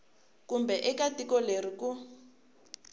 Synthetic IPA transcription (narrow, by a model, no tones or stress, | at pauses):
kumbɛʔɛkatikɔleɾiku